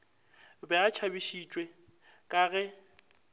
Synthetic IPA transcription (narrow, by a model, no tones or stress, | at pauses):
bɛat͡ʃʰabiʃit͡ʃʼwe | kʼaːɣɛ